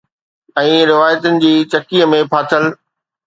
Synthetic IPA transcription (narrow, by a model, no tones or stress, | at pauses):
ɛ̃ːɾɪʋaːjət̪ʊnɪ̆d͡ʑiːt͡ɕɐkiːəmẽpʰaːt̪ʰəl